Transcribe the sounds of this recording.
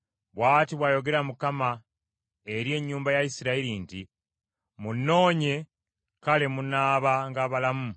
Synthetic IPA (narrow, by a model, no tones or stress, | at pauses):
βwaːtiβwaːjo̞ɡe̞ɾamukama | e̞ɾje̞ɲːuːmbajaisiɾaeɾinti | munːo̞ːɲe̞ | kale̞munaːβaŋɡaːβalamu